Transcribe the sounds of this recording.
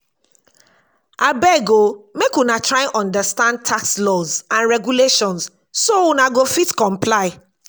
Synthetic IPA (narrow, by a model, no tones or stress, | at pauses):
ʔabɛɡomekwunatʰɹaãnʔɔ̃ndəstãnd̚tʰakslɔzãnɹɛɡuleʃɔ̃ns | sowunãɡofitkɔ̃mpʰlaɪ